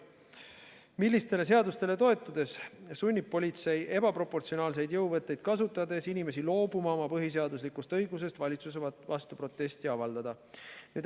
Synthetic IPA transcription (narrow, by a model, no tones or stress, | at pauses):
milːist̪e̞le̞s̬e̞ɑd̪ust̪e̞le̞t̪o̞e̞t̪ːˑud̪̥e̞ssunʲːipːo̞lʲit̪se̞je̞bɑpɾro̞pːo̞rt̪sio̞nɑːlse̞jd̪jɤwvɤt̪ːˑe̞jd̪̥̚kɑsut̪ːˑɑd̪e̞sinime̞s̬ilo̞ːbumɑo̞mɑpɤɦis̬e̞ɑd̪uslikˑust̪ɤ̞jɡus̬e̞st̪vɑlʲit̪susevɑst̪upro̞t̪ːˑe̞st̪iɑvɑld̪ɑd̪̥ɑ | ned̪